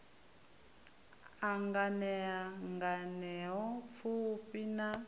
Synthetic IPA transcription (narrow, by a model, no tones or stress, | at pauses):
aŋɡanɛaŋɡanɛɔfʰupina